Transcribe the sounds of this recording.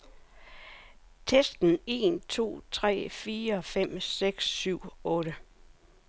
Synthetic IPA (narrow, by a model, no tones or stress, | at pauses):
t͡sʰesd̥n̩e̝ːnt͡sʰo̝̰ːt͡sʰʁɛ̰ːfiːɐfem̰seɡ̥sːyʊ̰ɔ̽ːɾ̥ə